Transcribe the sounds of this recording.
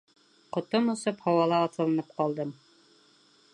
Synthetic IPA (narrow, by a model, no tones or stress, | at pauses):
qŏt̪omŏsɤphɑwɑlˠɑːsɤ̆lˠɤ̆nɤp̚qɑlˠd̪ɤm